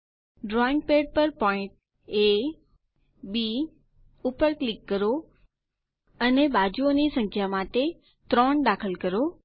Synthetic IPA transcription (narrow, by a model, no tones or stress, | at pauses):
ɖɾɔːɪ̃ŋɡ̚peːɖ̚pəɾpɔːɪ̃ɳʈ̚ | e | bi | ʊpəɾklɪkːəɾo | əneɓaːd͡ʑuonisə̃ŋkʰjamaʈe | t̪ɾɔːɳɗaːkʰəlkəɾo